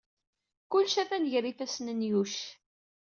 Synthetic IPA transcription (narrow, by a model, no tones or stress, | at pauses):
kʊlːʃæθænəʝrifæsnənjuʃ